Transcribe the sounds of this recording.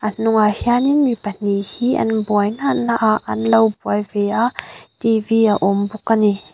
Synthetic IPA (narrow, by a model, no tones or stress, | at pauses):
ʔanʊŋahianinmipɐnihiʔɐ̰nbɔajnaʔnaʔaʔɐ̰nlɐwbuajvɛaʔt̪iviaʔɔmbukːani